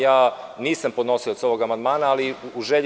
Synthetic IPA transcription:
jaːniːsampo̞d̪no̞sio̞t̪so̞ʋo̞ɡamand̪̚maːnaːliuʒeʎ

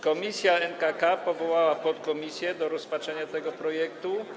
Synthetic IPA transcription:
kɔmʲisʲjaɛnkakapɔvɔwawapɔt̪kɔmʲisʲjɛd̪ɔɾɔspatʂɛɲat̪ɛɡɔpɾɔjɛkt̪u

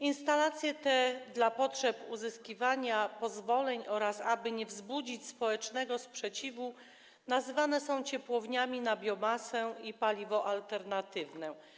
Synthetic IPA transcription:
inst̪alat̪sʲjɛt̪ɛd̪lapɔtʂɛpuzɘskʲivaɲapɔzvɔlɛɲɔɾasabɘɲɛvzbud͡ʑit͡ɕspɔwɛt͡ʂnɛɡɔspʂɛt͡ɕivu | nazɘvanɛsɔ̃w̃t͡ɕɛpwɔvɲamʲinabʲjɔmasɛipalʲivɔʔalt̪ɛɾnat̪ɘvnɛ

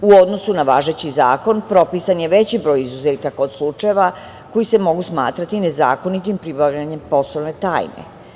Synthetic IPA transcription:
uod̪no̞sunaʋaːʒe̞t͡ɕizaːko̞npɾo̞piːsanjeʋe̞t͡ɕibɾo̞ːjizuzeːt̪akaod̪slˠut͡ʃaeʋa | ko̞jise̞mo̞ɡusmaːt̪ɾat̪ine̞za̰ːko̞nit̪impɾibaʋʎaɲe̞mpo̞sloʋne̞t̪a̰ːjnḛ

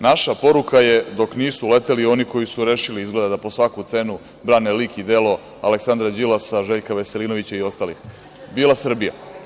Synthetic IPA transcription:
naʃapo̞ɾukaje̞d̪o̞kniːsule̞t̪elio̞niko̞jisuɾeːʃiliizɡled̪ad̪apo̞sʋakut̪se̞nu | bɾaːnelikid̪e̞lo̞ | aleksand̪ɾad͡ʑilasaʒeʎkaʋe̞se̞liːno̞ʋit͡ɕaio̞st̪alix | biːlˠasr̩bija̰

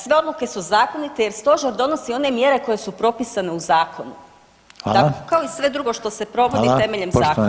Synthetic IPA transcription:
sʋe̞o̞d̪luke̞suzaːko̞nit̪e̞je̞ɾst̪o̞ʒeɾd̪o̞nosio̞ne̞mje̞ɾe̞ko̞je̞supɾo̞pisane̞uzaːkʰonu | akaoisʋe̞d̪ɾuɡo̞ʃt̪o̞se̞pɾo̞ʋo̞d̪ie̞me̞ʎemaːko

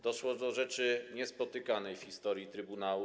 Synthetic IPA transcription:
d̪ɔʂwɔd̪ɔʐɛt͡ʂɘɲɛspɔt̪ɘkanɛjfxʲist̪ɔɾjit̪ɾɘbunawu

